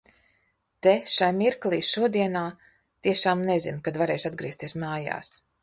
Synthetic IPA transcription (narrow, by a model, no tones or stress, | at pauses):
t̪eʃajmiɾklˠiːʃuɔd̪iɛnaː | t̪iɛʃaːmnezinkad̪vaɾeːʃad̪ɡɾiɛst̪iɛsmaːja̰ːs